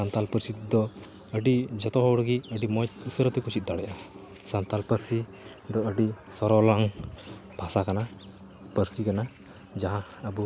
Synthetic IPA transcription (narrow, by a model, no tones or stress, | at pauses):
sant̪alpəɾsit̪d̪ɔ | əɖid͡ʒɔt̪ɔɦɔwɽɡiəɖimɔjt̪usəɾət̪ɛkut͡ʃit̪̚ˀd̪aɽɛjʔa | sant̪alpəɾsi | d̪ɔəɖisɔɾɔlaŋb̥ʱasakana | pəɾsikana | d͡ʒaɦãəbu